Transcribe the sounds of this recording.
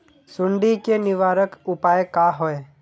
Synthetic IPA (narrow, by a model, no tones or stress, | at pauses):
sʊɳɖikenɪʋaːɾəkʊpaːjkaɦɔe